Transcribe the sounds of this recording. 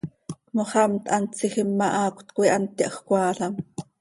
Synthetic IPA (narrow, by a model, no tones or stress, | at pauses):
moχɑmt̪ʔɑnt͡siχimːɑʔɑːkʷt̪kʷiʔɑnt̪ːiʔɑχkʷɑːɬɑm